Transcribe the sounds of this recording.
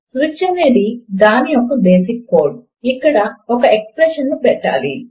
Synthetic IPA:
sʋit͡ʃːɐneːɽid̪aːniɔkːɐbeːsikːoːɾɖ | ikːɐɽɐɔkɐekspɾeʂɐnːupɛʈːa̰ːlḭ

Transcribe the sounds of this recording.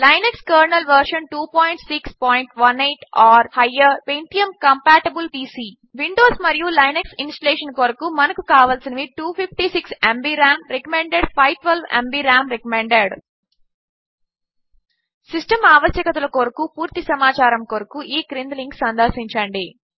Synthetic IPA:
lɐjnekskɐːɾnɐlʋɐɾʂɐnʈuːpoːjɳʈsikspɔːjiɳʈʋɐnejʈaːɾhɐjːɐpejnt̪ijɐmkɐmpaːʈebulʈiːsiː | ʋiɳɖoːsmɐɾijulɐjneksinsʈɐleːʂɐnkoːɾɐkumɐnɐkukaːʋaːlsinɐʋiʈuːpʰipʰʈisiksembiːɾaːmɾekɐmeɳɖeɖpʰɐjʈʋelʋḛmbiɾaːmɾɛkɐmeɳɖeɽ | sisʈɐmaːʋɐsjɐkɐt̪ɐlɐkoːɾɐkupuːɾt̪isɐmaːt͡ʃaːɾɐmkoːɾɐkuʔiːɡɾind̪liŋɡksɐnd̪ɐɾsiɲt͡ʃɐɳɖi

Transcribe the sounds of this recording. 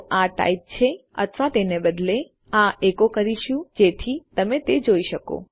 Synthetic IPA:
aʈa̰ip̚t͡ʃʰeə̰t̪ʰʋat̪enebəd̪le | ãekokəɾiʃũd͡ʒet̪ʰit̪əmet̪ed͡ʒoiʃəko̰

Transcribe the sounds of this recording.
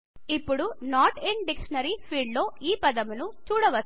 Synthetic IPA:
ipːuɽunaːɾʈeɳɖikʂɐnɐɾipʰiːɖlo̞ːiːpɐd̪ɐmunut͡ʃuːɽɐʋɐ

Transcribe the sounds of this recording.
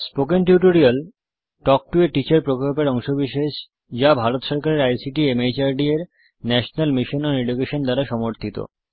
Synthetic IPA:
spokeŋʈiuʈoɾial | ʈɔk̚ʈueʈit͡ɕaɾpɾokolpeɾɔŋʃobiʃeʃ | d͡ʑabʱaɾot̪ʃɔɾkaɾeɾajsiʈiemejt͡ɕaɾɖieɾ | nɛʃonalmiʃonoɾeɖukeʃond̪aɾaʃɔmoɾt̪ʰit̪o̰

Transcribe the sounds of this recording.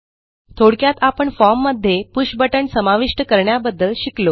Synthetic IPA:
t̪ʰoɽkjat̪apəɳfɔɾmːəd̪ʱːjepuɕbəʈəɳsəmaʋiʂʈəkəɾɳjabəd̪ːəlɕiklo

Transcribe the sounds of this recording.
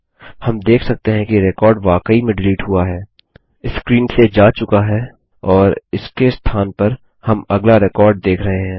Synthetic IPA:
hɐmd̪eːkʰsɐk̚t̪eɦɛ̃kiɾɛkɔːɾɖʋaːkəimẽɖɪliːʈɦʊaɦɛː | ɪsːkɾiːnsed͡ʒaːt͡ʃʊkaɦɛː | ɔːɾɪskest̪ʰaːnpɐɾ | hɐmɐɡlaɾɪkɔːɾɖ̚d̪eːkʰɾɐɦeɦɛ̃ː

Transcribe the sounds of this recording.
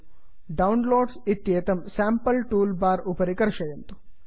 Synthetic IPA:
ɖɐwnloːɖsit̪jeːt̪ɐmsaːmpɐlʈuːlbaːɾupɐɾikɐɾʃɐjɐnt̪u̥

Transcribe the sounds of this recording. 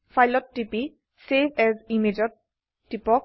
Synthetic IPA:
fʰajlɔtːipi | sevɛzimed͡ʒɔd̚ | tːipɔk

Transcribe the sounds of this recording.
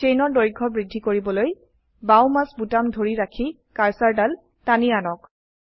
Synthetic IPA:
t͡ʃejnɔɹdoɹɡʱːɔbɹidʱːikoɹibɔloj | bawmasbutamdʱoɹiɹakʰi | kaɹsaɹdal | tanianɔk̚

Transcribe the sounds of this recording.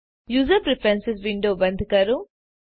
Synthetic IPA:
juːzɐɾpɾipʰɾɐnsisʋiɳɖoːbɐnd̪ʱikaɾu

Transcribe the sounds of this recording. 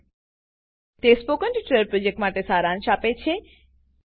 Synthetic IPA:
t̪espokəɳʈʈɾeəɾpɾod͡ʒek̚ʈmaʈesaːɾãnʃapet͡ʃʰe

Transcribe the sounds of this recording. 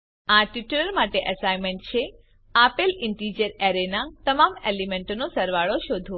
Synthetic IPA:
aʈiʈuləɾmaʈeʔəsajmẽɳʈ̚t͡ʃʰe | apelɪɳʈid͡ʒəɾeɾenat̪əmamelimeɳʈonosəɾʋaɭoʃod̪ʱo

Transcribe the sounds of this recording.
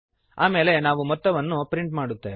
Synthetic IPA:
a̰ːme̞ːle̞naːʋumɔt̪ːɐʋɐnːupɾiɳʈmaːɽut̪ːeː

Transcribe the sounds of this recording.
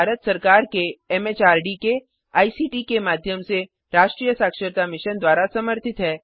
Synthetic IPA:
aːɾət̪sɐɾkaːɾkeɛmeːt͡ʃaːɾɖike | aːisiːʈikemaːd̪ʱjəmse | ɾaːʃʈɾiːjəsaːkʃəɾt̪amɪʃənd̪waːɾasɐməɾt̪ʰɪt̪ɦɛː

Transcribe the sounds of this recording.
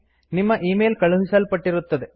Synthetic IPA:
nimːɐʔiːmeːlkɐɭuɦisɐlpɐʈːiɾut̪ːɐd̪e

